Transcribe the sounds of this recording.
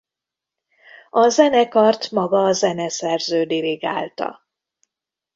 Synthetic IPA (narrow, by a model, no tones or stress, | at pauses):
ɒzɛnɛkɒrt̪mɒɡɒːzɛnɛsɛrzøːd̪iliɡa̰ːlt̪ɒ̰